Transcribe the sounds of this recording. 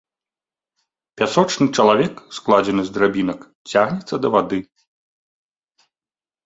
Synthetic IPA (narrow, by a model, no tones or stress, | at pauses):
pʲasɔt͡ʂnɨt͡ʂɐlˠavʲɛksklˠad͡zʲɛnɨzd̪ɾabʲin̪ɐk | t͡sʲaɣnʲɛt̪sːɐd̪ɐvad̪ɨ